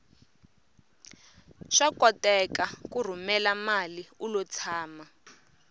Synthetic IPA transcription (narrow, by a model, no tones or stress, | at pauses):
ʃakɔtɛkakur̤umɛlamaliulɔt͡sʰaːma